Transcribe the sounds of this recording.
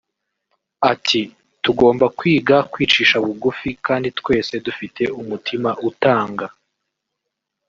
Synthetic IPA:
atʰi | tuɡo̞ːmbakwiːɡakwiːt͡ʃiːʃaβuɡufikaːnditkwe̞ːse̞dufitʰe̞umutʰimaʔutaːŋɡa

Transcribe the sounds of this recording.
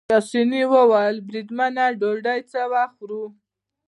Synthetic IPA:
asiniwəwalbɾid̪manaɖoɖajt͡sawaxɾu

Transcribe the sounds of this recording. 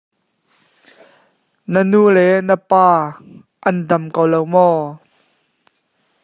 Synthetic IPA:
nənulɛnəpaː | ʔɐnd̪ɐmkowlowmɔː

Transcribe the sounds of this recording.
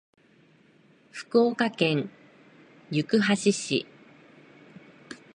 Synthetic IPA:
ɸɯ̟̥kɯoːkakẽ̞ɰ | jɯ̟kɯ̟ɦaɕiɕḭ

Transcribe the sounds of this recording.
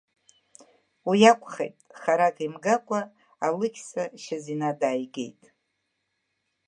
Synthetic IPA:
wijakʷʼʰχejtʼχaɾakʰʼimɡakʷʼaː | lɨɡʲʰsaʃazinadaːjɡḛjtʼ

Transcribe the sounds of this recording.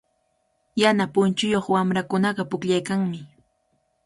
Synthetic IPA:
janapʊnt͡ʃʊjoχwamɾakʊnɑɢɑpʊkʎajkaŋmɪ

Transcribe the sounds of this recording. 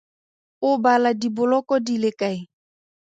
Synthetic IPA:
ʊbaladibʊlɔkɔdilekai

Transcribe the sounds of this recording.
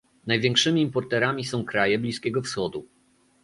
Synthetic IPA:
najvʲjɛ̃ŋkʂɘmʲiːmpɔɾt̪ɛɾamʲisɔ̃w̃kɾajɛblʲiskʲɛɡɔfsxɔd̪u

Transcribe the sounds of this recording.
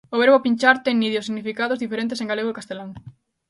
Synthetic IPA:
oβeɾβopint͡ʃaɾt̪eŋniðjosiɣnifikaðozðifeɾẽnt̪eseŋɡaleɣokast̪elaŋ

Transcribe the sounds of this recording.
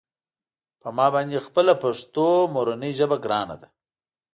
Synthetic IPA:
pəmɑbɑnd̪expəlapaʂt̪omoɾanəjʒəbaɡɾɑna̰d̪a

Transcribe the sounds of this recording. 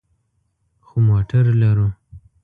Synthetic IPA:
xomoʈʰaɾlaɾu

